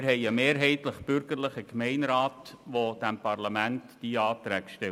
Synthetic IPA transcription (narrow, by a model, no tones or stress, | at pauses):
ɾɦɛɪəmeːɾɦɛɪt̪ləχb̥ʏɾɡəɾləχəkmɛɪnɾaːtʋod̥æmpɑrlɑmæntd̥iɑːt̪ɾæːkʃtɛ